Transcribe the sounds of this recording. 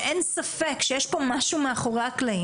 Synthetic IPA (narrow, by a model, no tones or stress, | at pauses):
ʔensafekʃejɛʃpo̞maʃumeaχo̞ʁaklai